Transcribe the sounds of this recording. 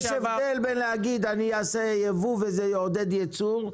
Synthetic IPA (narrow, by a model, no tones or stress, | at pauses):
ʃevd̪elbenleaɡid̪aniasejevuvezejod̪ed̪jet͡suʁ